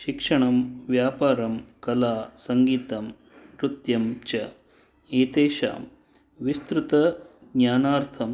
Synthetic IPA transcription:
ʃikʂɐɳɐmʋjaːpaːɾɐmkɐlaːsɐŋɡiːt̪ɐm | ɾut̪jɐmt͡ʃɐ | eːt̪eːʃa̰ːm | ʋist̪ɾut̪ɐɡɲaːnaːɾt̪ʰɐm

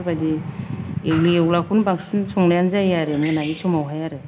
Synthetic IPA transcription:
badi | ewliewlakʰunbaŋsinsʰɔŋlajanzajaɾɯnɯnaɡisɔmawɦajaɾɯ

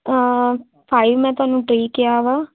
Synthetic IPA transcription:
pʰaːiʋmɛ̃ːt̪ʊaːnũːʈɾeːkeaːʋaː

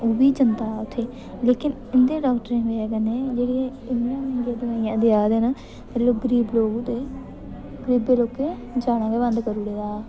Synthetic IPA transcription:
oːbiːd͡ʒənt̪aːʊt̪ʰːeː | leːkɪn | ɪnd̪ẽːɖaːkʈəɾẽːʋeːɡənẽːd͡ʒeːɽĩː | ɪnd̪iãmnd͡ʒaːd̪ənãːiãːd̪ɪjaːd̪eːnãː | t̪eɾloːɡəɾiːbloːɡud̪eː | ɡəɾiːbeːloːkːeː | d͡ʒaːɽãːɡeːʋənd̪kəɾuːɽeːaː

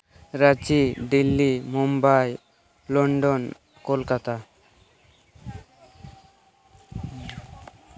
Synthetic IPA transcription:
ɾad͡ʑiɖilːimumbaj | lɔɳɖon | kolkat̪a

